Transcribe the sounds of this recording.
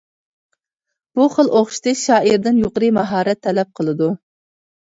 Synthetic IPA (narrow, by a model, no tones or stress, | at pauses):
b̥uχəlˠʔoχʃi̥t̪ʰɨʃɑːʔiɾd̪ɪnjoqəɾɨmɑɦɑːɾɛt̪ʰːɛlɛp̚qʰəlˠɨd̪u